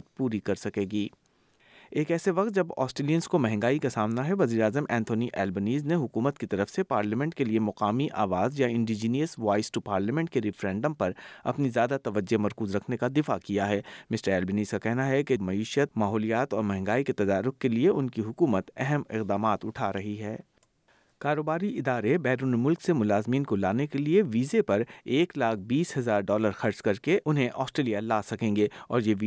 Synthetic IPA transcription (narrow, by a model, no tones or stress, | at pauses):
t̪̚puːɾikɐɾsɐkeːɡiː | eːkɛːseʋɐq̚t̪̚d͡ʒɐbɔ̰ːsʈeːlijənskomɛɦɛ̃ŋɡaːikasaːmnaɦɛʋɐziːɾaːzəmʔɛ̃ːnt̪ʰoːniʔɛːlbəniːzneɦʊkuːmət̪kit̪ɐɾəfsepaːɾləmɛ̃ɳʈ̚keliemʊqaːmiʔaːʋaːzjaɪ̃ɳɖid͡ʒiːnijəsʋaːɪsʈupaːɾləmɛ̃ɳʈ̚keɾɪfɾɛ̃ːɳɖəmpɐɾɐ̰pnizjaːd̪at̪ɐʋəd͡ʒemɐɾkuːzɾɐkʰnekad̪ɪfakijaɦɛːmɪsʈəɾɛːlbɪniːskakɛɦnaɦɛkemɐiːʃət̪̚maːɦɔːlijaːt̪ɔːɾmɛ̃ɦɛ̃ŋɡaːiket̪ɐd̪aːɾʊkkelieʔʊnkiɦʊkuːmət̪ɛɦɛmɪ̰qd̪aːmaːt̪ʊʈʰaɾɐɦiɦɛː | kaːɾoːbaːɾiʔɪd̪aːɾebɛːɾuːnmʊlksemʊlaːzmiːnkolaːnekelieʋiːzepɐɾeːklaːk̚ʰbiːshɐzaːɾɖɔːləɾxɐɾd͡ʒkɐɾkeʔʊnɦẽʔɔːsʈɾeːlijalaːsɐkẽːŋɡeɔːɾjeʋi